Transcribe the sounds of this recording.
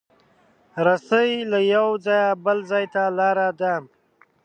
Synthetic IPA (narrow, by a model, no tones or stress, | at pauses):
ɾasəjlajawzɑjabəlzɑjt̪alɑːɾad̪am